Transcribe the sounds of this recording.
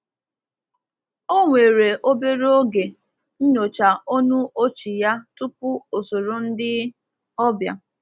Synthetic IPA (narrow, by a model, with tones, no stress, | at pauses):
o˦ŋʷe˨ɾe˨ʔo˦be˦ɾo˦ɡe˨ | n̩˦no˨t͡ʃa˨o˦nu˦o˦t͡ʃi˨ja˦tʊ˦pʊ˦o˨so˨ɾo˨n̩˦dɪ˦ | ɔ˦bja̰˨